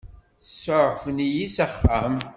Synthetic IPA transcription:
sːoʕfənijisæχːam

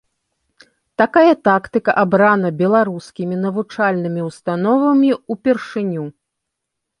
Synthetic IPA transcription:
t̪akajɐt̪akt̪ɨkɐʔabɾanɐbʲɛlˠaɾuskʲimʲinɐvut͡ʂalʲnɨmʲiwst̪anɔvɐmʲiupʲɛrʂɨnʲu

